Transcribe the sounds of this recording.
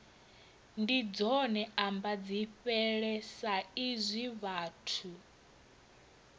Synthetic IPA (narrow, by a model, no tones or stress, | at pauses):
ndid͡zɔnɛambad͡ziɸɛɺɛsaizʷiβaːtʰu